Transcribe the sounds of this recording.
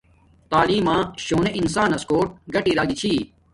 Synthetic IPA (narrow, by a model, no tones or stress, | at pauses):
t̪aːliːmãːɕoːneʔinsaːnɐskoːʈ̚ɡɐʈiːɾaːɡit͡ɕʰiː